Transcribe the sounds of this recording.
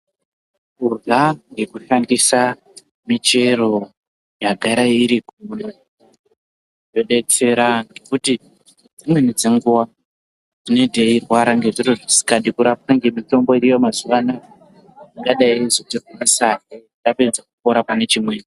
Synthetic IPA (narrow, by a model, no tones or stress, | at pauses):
kurɮaŋɡe̞kuʃandisa | mit͡ʃe̞ɾo̞ | jaɡʱaɾaiɾikure | jo̞ɗe̞t͡se̞ɾaŋɡe̞kuti | d͡zimwe̞nid͡ze̞ŋɡuwa | d͡zine̞dʱeirwaɾaŋɡe̞ʐiroʐisi̥kaɗikuɾap̚kaŋɡe̞mito̞mbo̞iɾijo̞mazuwana | iŋɡaɗaiizoterwunasake | daped͡zak̚upo̞ɾapane̞t͡ʃimweni